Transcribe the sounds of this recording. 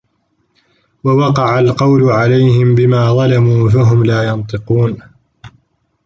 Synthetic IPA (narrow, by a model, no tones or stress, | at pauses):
wawɑqɑʕalqɑwlʊʕalajhɪmbɪmaːðˤɑlamuːfaɦʊmlaːjɑnt̪ˤɨquːn